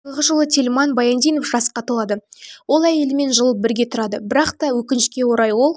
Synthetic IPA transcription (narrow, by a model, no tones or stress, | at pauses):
əʁəʒəlˠət̪ʲʰelʲmɑnbɑjɑnd̪ʲijno̞fʒɑsqɑt̪ʰolˠɑd̪əwo̞lˠæje̞lɪme̞nʒəlˠəp̚bɪɾɡʲe̞t̪ʰʊɾɑd̪əbɪɾɑqt̪ɑwɵkʲɪnɪʃkʲe̞wo̞ɾɑjwo̞lˠ